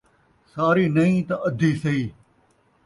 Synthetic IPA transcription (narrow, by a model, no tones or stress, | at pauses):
saːɾiːnɐĩːt̪ɐʔɐd̪ʱiːsɐiː